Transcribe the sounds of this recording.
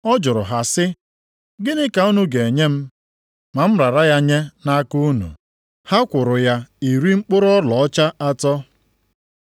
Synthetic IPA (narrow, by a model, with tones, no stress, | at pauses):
ɔ˦d͡ʒʊ˨ɾʊ̰˨ɦa˨sɪ˦ | ɡɪ˦nɪ˦ka˨u˦nu˦ɡe˨e˨ɲe˦m̩˦ | ma˨m̩˦ɾa˨ɾa˦ja˦ɲe˦na˦ku˦u˦nṵ˨ | ha˦kʷʊ˨ɾʊ˨ja˦i˨ɾi˦ŋ͡m̩˦k͡pʊ˦ɾʊ˦ɔ˦lɔ˨ɔ˦t͡ʃa˦ʔa˦tɔ˦